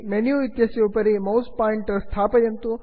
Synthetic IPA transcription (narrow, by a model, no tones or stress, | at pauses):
menjuit̪jɐsjupɐɾimɐwspaːiɳʈst̪ʰaːpɐjɐnt̪u